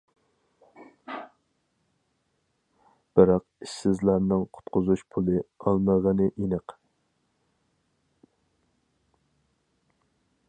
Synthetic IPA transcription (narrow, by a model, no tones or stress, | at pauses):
b̥ɪɾɑqiʃsɪzlæɾnɨŋqʰʊ̥t̪qʊzuʃpʰulˠɨɑlˠməʁənɨʔinɨq